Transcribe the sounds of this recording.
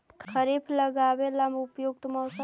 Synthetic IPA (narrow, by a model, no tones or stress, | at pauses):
kkʰəɾiːblɐɡaːwelɐmbʱʊpjoːɡ̚t̪mɔːs